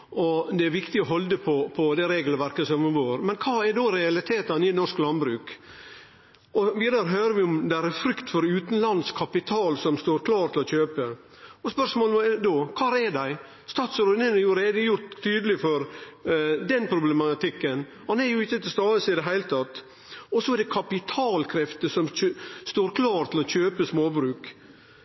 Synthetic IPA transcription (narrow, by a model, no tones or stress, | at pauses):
ɔd̪ɛæɾʋɪkt̪ɪɔɦɔld̪əpʰɔpʰɔd̪ɛɾeːɡləʋæɾkəsɔmʋoːɾmɛnkʰɑːæɖoːɾɛɑlɪt̪ʰeːt̪ɑnɪnɔrʂklɑnbɾʉːk | ɔʋiːd̪ɑɾəɦøːɾəʋɪɔmd̪ææɾɛfɾʏkt̪fɔɾʉːt̪ənlɑnd̪skʰɑpɪt̪ʰɑːlsɔmst̪oːɾkʰlɑːɾt̪ʰɪlɔçøːpə | ɔspœʂmoːld̪okʰɑːɾɛdæɪ | st̪ɑːt̪sɔɾʉnənɑjʊɾeːd̪əjʊɾt̪ʰːyːd̪əlɪfɔɾ | d̪ɛnpʰɾʊblɛmɑt̪ɪkːən | hɑnɛɾjʊɪçːət̪ʰɪlst̪ɑːəsɪd̪ɛɦæɪlət̪ʰɑt̪ː | ɔsɔɛɾɖ̪ɛkʰɑpɪt̪ʰɑːlkʰɾɛft̪əsɔmst̪oːɾkʰlɑːɾt̪ʰɪlɔçøːpəsmoːbɾʉːk